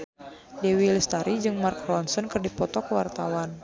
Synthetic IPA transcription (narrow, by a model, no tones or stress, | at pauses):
dɛwilst̪aɾid͡ʒɨŋmarkrɔnsɔnkɨrdipɔt̪ɔkəwart̪awan